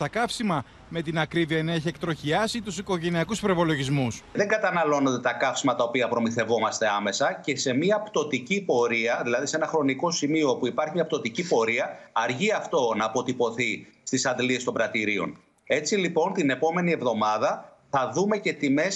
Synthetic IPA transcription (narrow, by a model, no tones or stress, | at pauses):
t̪ɐkɐfsimɐ | me̞t̪inɐkɾiðiɐeneçiekt̪ɾo̞çiɐsit̪usiko̞ʝe̞niɐkuspɾo̞ipo̞lo̞ʝizmusðe̞ŋɡɐt̪ɐnɐlo̞nod̪et̪ɐkɐfsimɐt̪ɐopiɐpɾo̞miθe̞vo̞mɐst̪e̞ɐme̞sɐce̞se̞miɐpt̪o̞t̪icipo̞ɾiɐðilɐðise̞nɐxɾo̞niko̞simio̞puipɐɾçimɲɐp̚t̪o̞t̪icipo̞ɾiɐɐɾʝiɐft̪o̞nɐːpo̞t̪ipo̞θist̪isɐnd̪lie̞st̪o̞mbɾɐt̪iɾio̞̰n | e̞t͡silipo̞nt̪ine̞po̞me̞nie̞vðo̞mɐðɐ | θɐðume̞ce̞t̪ime̞s